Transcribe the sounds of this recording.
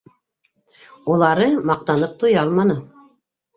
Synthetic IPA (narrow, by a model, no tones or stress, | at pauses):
ulˠɑɾɤmɑq̚t̪ɑnɤp̚t̪ojɑɑlˠmɑnɤ